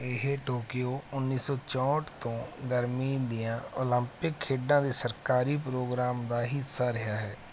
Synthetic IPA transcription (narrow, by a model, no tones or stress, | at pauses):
ɪɦeʈoːkɪjoːʊnːiːsɔːt͡ʃɔ̃ːʈt̪õːɡəɾmiːd̪ɪjãːoːlə̃mpɪkʰːeːɖãːd̪eːsəɾkaːɾiːpɾoːɡɾaːmd̪aːɦɪsːaːɾɪɦaːɦɛː